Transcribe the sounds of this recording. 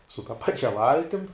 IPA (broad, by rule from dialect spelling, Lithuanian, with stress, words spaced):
sʊ tɐ ˈpɑːt͡ʃʲɛ ˈʋɐlʲtʲɪm